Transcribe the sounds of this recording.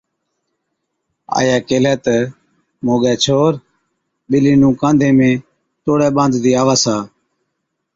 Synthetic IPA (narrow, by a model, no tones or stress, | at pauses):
a̰ːjaːkeːlɛːt̪ə | moːɡɛːt͡ʃʰoːɾ | ɓɪliːnũːkãːnd̪ʱẽːmẽː | t̪oːɽɛːɓãːnd̪d̪iːaːʋaːsaː